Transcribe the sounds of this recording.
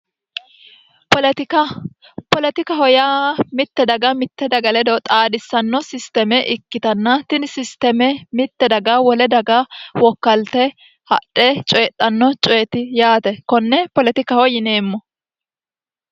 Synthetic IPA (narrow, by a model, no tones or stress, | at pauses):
pɔlɛt̪ɪkɐ | pɔlɛt̪ɪkɐhɔjamɪt̪ːɛd̪ɐɡɐmɪt̪ːɛd̪ɐɡɐlɛd̪ɔt̪ʼaːd̪ɪsːɐnːɔsɪst̪ɛmɛʔɪkːɪt̪ɐnːɐt̪ɪnsɪst̪ɛmɛmɪt̪ːɛd̪ɐɡɐwɔlɛd̪ɐɡɐwɔkːɐlt̪ɛ | hɐ̰ᶑɛt͡ʃʼɔjɛt̪ʼːɐnːɔt͡ʃʼɔjɛt̪ɪjaːt̪ɛkɔnːɛpɔlɛt̪ɪkɐhɔjɪne̞ːmːɔ